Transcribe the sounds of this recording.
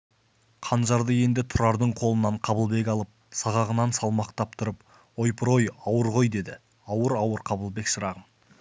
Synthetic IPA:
qʰɑnʒɑɾd̪əje̞nd̪ɪt̪ʰʊɾɑɾd̪əɴqʰo̞lˠənɑɴqʰɑbəlˠbe̞k̬ʲɑlˠəp̚sɑʁɑʁənɑnsɑlˠmɑqt̪ɑp̚t̪ʰʊɾəp | o̞jpʰəɾo̞jɑwəɾʁo̞jd̪e̞d̪ɪ | ɑwəɾɑwəɾqʰɑbəlˠbe̞ksəɾɑʁən

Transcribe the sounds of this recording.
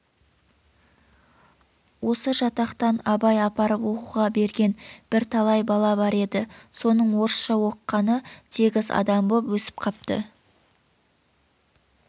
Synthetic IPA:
wo̞səʒɑt̪ɑqt̪ɑnɑbɑjɑpɑɾəpwo̞quʁɑbe̞ɾɡʲe̞nb̥ɪɾt̪ʰɑlˠɑjbɑlˠɑbɑɾe̞d̪ɪso̞nəɴwo̞ɾsʃɑwo̞qːɑnət̪ʰe̞ɡʲɪzɑ̰d̪ɑmbopwɵsɪ̥p̚qʰɑp̚t̪ə̰

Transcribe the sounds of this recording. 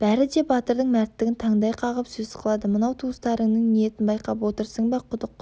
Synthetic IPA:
b̥æɾɪd̪e̞bɑt̪əɾd̪əɴmæɾɪt̪ːɪɡʲɪnt̪ʰɑɴd̪ɑjqʰɑʁəpsɵzə̥qʰəlˠɑd̪əmənɑwt̪ʰuəst̪ɑɾəŋnəɴnijet̪ɪnbɑjqɑpwo̞t̪əɾsəɴbɑqʰʊd̪əq̚

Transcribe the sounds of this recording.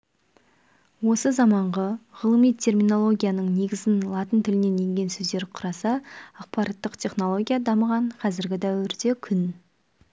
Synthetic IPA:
wo̞səzɑmɑɴʁɑʁəlˠəmijt̪ʲʰe̞rmino̞lˠo̞ɡʲijanəɴne̞ɡʲɪzɪnlˠɑt̪ənt̪ʰɪlɪne̞ne̞ŋɡʲe̞nsɵzd̪e̞ɾqʰʊɾɑsɑːq̚pɑɾʔɑt̪ːəqt̪ʲʰe̞χno̞lˠo̞ɡʲijad̪ɑməʁɑɴqʰɑzɪɾɡʲɪd̪æwɪɾd̪e̞kʲʰʏn

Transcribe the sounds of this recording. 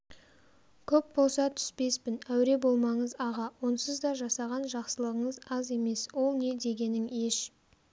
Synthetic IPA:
kʲʰɵp̚bo̞lˠsɑt̪ʰʏ̥spe̞spɪnæwɾe̞bo̞lˠmɑɴəzɑʁɑwo̞nsəzd̪ɑʒɑsɑʁɑnʒɑqsəlˠəʁəɴəzɑze̞me̞swo̞lˠne̞d̪e̞ɡʲe̞nɪŋe̞ʃ

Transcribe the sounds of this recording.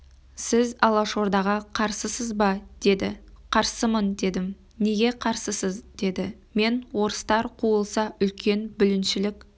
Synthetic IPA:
sɪzɑlˠɑʃo̞ɾd̪ɑʁɑqʰɑɾsəsəzbɑd̪̥e̞d̪ɪ̰qʰɑɾsəmənd̪e̞d̪ɪm | ne̞ɡʲe̞qʰɑɾsəsəzd̪̥e̞d̪ɪ | me̞nwo̞ɾəst̪ɑɾqʰuəlˠsɑʏlkʲʰe̞nbʏlɪnʃɪlɪkʲ

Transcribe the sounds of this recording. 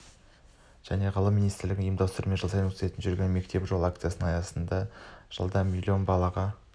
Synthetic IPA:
ʒ̥æne̞ʁəlˠəminijst̪ɾlɪɡʲɪŋijəmd̪ɑwst̪əɾəmenʒəlˠsɑjəkʰse̞t̪ɪnʒʏɾɡʲe̞nme̞k̚t̪e̞pʒo̞lˠak̚t̪sɨjasənɑjɑsənd̪ɑʒ̥ə̰lˠd̪ɑmʲilʲːio̞nbɑlˠɑʁɑ

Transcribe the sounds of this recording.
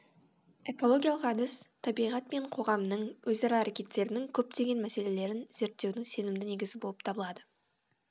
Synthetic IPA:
e̞ko̞lˠo̞ɡʲijalˠəqɑd̪ɪst̪ʰɑbijʁɑt̪me̞ɴqʰo̞ʁɑmnəɴwɵzɑɾɑːɾekʲe̞t̪ːe̞ɾɪnɪŋkʲʰɵp̚t̪e̞ɡʲe̞nmæse̞le̞le̞ɾɪnz̥e̞ɾt̪ːe̞wd̪ɪŋse̞nɪmd̪ɪneɡʲɪzɪbo̞lˠəp̚t̪ʰɑbəlˠɑd̪ə

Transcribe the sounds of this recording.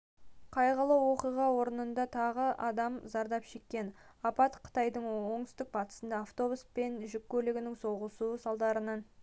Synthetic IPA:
qʰɑjʁəlˠəwo̞qijʁɑwo̞ɾənənd̪ɑt̪ʰɑʁəʔɑd̪ɑmzɑɾd̪ɑpʃe̞kʲːe̞nɑpɑt̪qʰə̥t̪ɑjd̪əɴwo̞ɴt̪ʏst̪ɪk̚bɑt̪ə̥sənd̪ɑːft̪o̞buspe̞nʒʏkʲːɵleɡʲɪnɪŋso̞ʁəsusɑlˠd̪ɑɾənɑn

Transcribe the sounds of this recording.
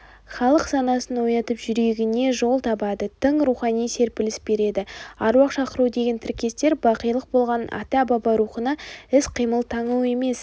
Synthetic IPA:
χɑlˠəqsɑnɑsənwo̞jɑt̪əpʒʏɾe̞ɡʲɪne̞ʒo̞lˠt̪ʰɑbɑd̪ət̪ʰəɴɾuχɑnijse̞ɾpɪlɪsbe̞ɾe̞d̪ɪɑɾwɑqʃɑqəɾud̪e̞ɡʲe̞nt̪ʰɪɾkʲe̞st̪e̞ɾbɑqijlˠəq̚bo̞lˠʁɑnɑ̰t̪ɑbɑbɑɾuχənɑɪsqʰijməlˠt̪ʰɑɴəwe̞me̞s

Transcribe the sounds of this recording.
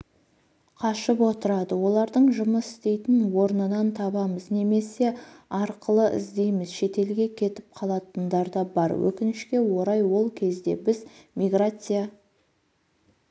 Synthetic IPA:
qʰɑʃəpwo̞t̪əɾɑd̪əwo̞lˠɑɾd̪əɴʒʊməsɪ̥st̪e̞jt̪ɪnwo̞ɾnənɑnt̪ʰɑbɑməzne̞me̞se̞ɑɾqəlˠəʔɪ̰zd̪e̞jmɪzʃe̞t̪e̞lɡʲe̞kʲʰe̞t̪ɪp̚qʰɑlˠɑt̪ənd̪ɑɾd̪ɑbɑɾwɵ̰kʲɪnɪʃkʲe̞wo̞ɾɑjwo̞lˠkʲʰe̞zd̪e̞̰bɪzmʲiɡrat̪sɨja

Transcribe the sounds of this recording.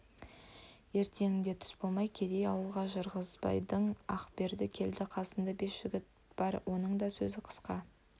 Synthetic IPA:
e̞ɾt̪e̞ŋɪnd̪e̞t̪ʰʏ̥sbolˠmɑjkʲʰe̞d̪e̞jɑwəlˠʁɑʒəɾʁəzbɑ̰jd̪əɴɑqbe̞ɾd̪ɪkʲʰe̞ld̪ɪqʰɑsənd̪ɑbe̞sʒ̥ɪɡʲɪt̪̚ | b̥ɑɾwo̞nəɴd̪ɑsɵzɪqʰə̥sqɑ

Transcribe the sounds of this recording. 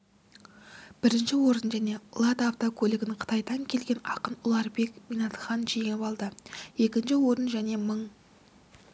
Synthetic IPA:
b̥ɪɾɪnʃɪwo̞ɾənʒæne̞lˠɑd̪aft̪okʲʰɵlɪɡʲɪnɪɴqʰə̥t̪ɑjd̪ɑŋkʲʰe̞lɡʲe̞nɑqənʊlˠɑɾbe̞kmijnɑt̪χɑnʒejŋɪpɑlˠd̪əje̞kʲɪnʃɪwo̞ɾənʒæne̞məɴ

